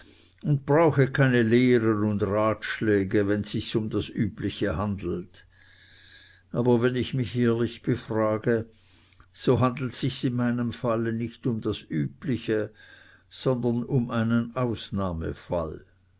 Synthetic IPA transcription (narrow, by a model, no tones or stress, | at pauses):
ʊnt̚b̥ʁaʊxəkʰaɪnəleːʁənʊndʁaːtʃlɛːɡəvɛnsɪçsʊmd̥asʔyːplɪçəhandl̩t | ʔaːbɐvɛnɪçmɪçeːɐlɪçb̥əfʁaːɡə | z̥oɦandl̩tsɪçsɪnmaɪnəmfalənɪçtʊmdasʔyːplɪçə | z̥ɔndɐnʊmʔaɪnənʔaʊsnaːmə̰fa̰l